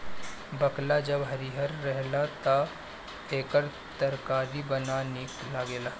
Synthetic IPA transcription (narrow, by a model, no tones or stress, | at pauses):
bɐklad͡ʒɐbɦɐɾiɦəɾːɛɦlat̪a | eːkəɾ | t̪əɾkaːɾibɐnanɪklaɡeːlaː